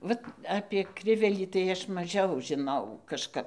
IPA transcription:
ˈʋɐt ɐpʲeː ˈkrʲɪʋʲɛlʲiː tɐɪ ˈɐʃ mɐˈʒʲɛʊ ʒʲɪˈnɐʊ kɐʃˈkɐp

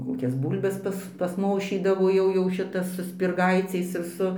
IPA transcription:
ˈkoːkʲɛs ˈbuːlʲbʲɛs ˈpɐs pɐsˈmoːʃʲiːdɐʋoː jɛʊ jɛʊ ˈʃʲɪtɐs sʊ sʲpʲɪrˈɡɐɪt͡sʲɛɪs ɪr ˈsʊ

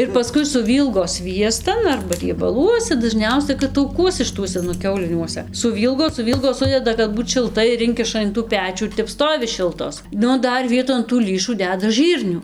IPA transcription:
ɪr pɐˈskʊɪ sʊˈʋʲiːlˠɡoː ˈsʲʋʲiɛstɐn ɐrbɐ rʲiɛbɐˈlˠuɔsʲɛ dɐˈʒʲnʲɛʊsʲɛ kɐt tɐʊˈkuɔsʲɛ ʃɨˈtuɔsʲɛ nʊ ˈkʲɛʊlʲɪnʲuɔsʲɛ sʊˈʋʲiːlˠɡoː sʊˈʋʲiːlˠɡoː ˈsʊdʲɛdɐ kɐt ˈbuːt ʃʲɪlˠˈtɐɪ ɪr ˈɪŋʲkʲɪʃɐ ɪn tuː ˈpʲæːt͡ʃʲuː ɪr ˈtʲɛp ˈstoːʋʲɪ ˈʃʲɪlˠtoːs ˈnʊ ˈdɐr ˈʋʲiɛtoːn tuː ˈlʲiːʃuː ˈdʲæːdɐ ˈʒɨrʲnʲuː

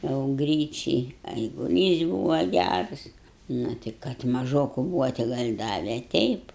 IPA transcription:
jɛʊ ˈɡrʲiːt͡ʃʲɛɪ ɛɪɡʊˈlʲiːs ˈbuːʋɐ ˈɡʲærɐs ˈnʊ tʲɪ kɐt mɐˈʒoːkʊ ˈbuːʋɐ tʲɪ ˈɡɐlʲ ˈdɑːʋʲɛ ˈtʲɛɪp

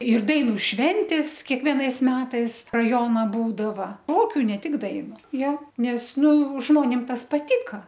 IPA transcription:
ɪr ˈdɐɪnʊ ˈʃʲʋʲɛnʲtʲeːs kʲiɛkˈʋʲiɛnɐɪs ˈmʲæːtɐɪs rɐˈjoːnɐ ˈbuːdɐʋɐ ˈoːkʲʊ nʲɛ ˈtʲɪk ˈdɐɪnʊ ˈjoː ˈnʲɛs ˈnʊ ˈʒmoːnʲɪm ˈtɐs pɐˈtʲɪkɐ

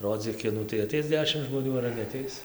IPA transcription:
ˈroːd͡zʲiːk ˈkʲɪnuː tɐɪ ɐˈtʲɛɪs ˈdʲæːʃʲɪm ʒmoːˈnʲuː ɐr nʲɛɐˈtʲɛɪs

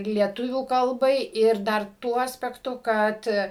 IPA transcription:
lʲiɛˈtʊʋʲuː kɐlˠˈbɐɪ ɪr dɐr ˈtuɔ ɐsʲpʲɛkˈtʊ ˈkɐt

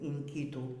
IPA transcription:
iːn ˈkʲiːtuː

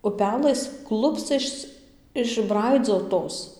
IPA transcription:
ʊˈpʲæːlˠɘs ˈklˠʊpst͡sɐs ɪʒˈbrɐɪd͡zoːtoːs

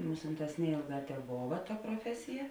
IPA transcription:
ˈmʊsʲɪnˌtɑːs ˈnʲɛeːlˠˌɡɑː tʲɛˈboːʋɐ tɐ proːˈfʲæːsʲɪjɛ

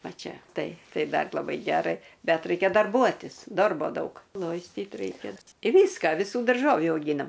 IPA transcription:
ˈʋɐ ˈt͡ʃʲɛ ˈtɐɪ ˈtɐɪ ˈdɐr lˠɐˈbɐɪ ˈɡʲæːrɐɪ ˈbʲɛt ˈrɐɪkʲɛ dɐrˈbuɔtʲɪs ˈdoːrboː ˈdɐʊk ˈlˠoːɪsʲtʲiːt ˈrɐɪkʲɛ ɪ ˈʋʲiːskɐ ʋʲɪˈsuː dɐrˈʒoːʋʲuː ɐʊˈɡʲiːnɐm

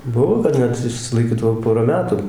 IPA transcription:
ˈbʊʋoː kɐt ˈnʲɛt ɪʃʲsʲɪlˠɐɪˈkʲiːdɐʋoː ˈpoːrɐ ˈmʲæːtʊ

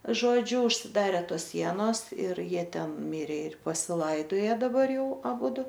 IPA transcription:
ˈʒoːd͡ʒʲʊ ʊʃʲsʲɪˈdɑːrʲɛ ˈtoːs ˈsʲiɛnoːs ɪr ˈjiɛ ˈtʲɛn ˈmʲɪrʲeː ɪr pɐsʲɪˈlˠɐɪdoːjɛ dɐˈbɐr ˈjɛʊ ɐˈbʊdʊ

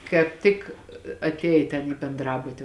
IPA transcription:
kɑːp ˈtʲɪk ɐtʲˈeːj tʲɛn iː bʲɛnˈdrɑːbʊtʲɪ

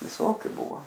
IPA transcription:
ʋʲɪˈsoːkʲʊ ˈbʊʋoː

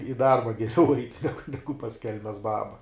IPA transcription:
ɪ ˈdɐrbɐ ɡʲɛˈrʲɛʊ ɐɪtʲ ˈnʲæːɡʊ ˈnʲæːɡʊ pɐs ˈkʲɛlʲmʲɛs ˈbɑːbɐ

